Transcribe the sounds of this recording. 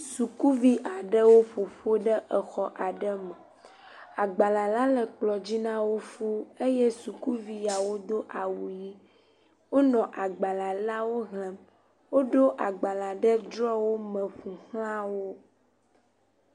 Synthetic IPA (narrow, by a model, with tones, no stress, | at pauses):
su˨ku˦vi˦ʔa˨ɖə˦wo˦ɸo˨ɸo˦ɖə˦ʔə˨xɔ˦ʔa˨ɖə˦mə˨ | a˨ɡ͡ba˨la˨la˦lə˨k͡plɔ˨d͡ʑi˦nã˦wo˦fu˦e˦je˦su˨ku˦vi˨ja˨wo˦d̪o˦ʔa˨wu˨ji˦ | wo˦nɔ̃˨ʔa˨ɡ͡ba˨la˨la˦wo˦ɦlə̃˨m | wo˦ɖo˦ʔa˨ɡ͡ba˨la˨ɖə˦dɾɔ˦wo˦mə̃˨ɸũ˨hl̃ã˦wo˦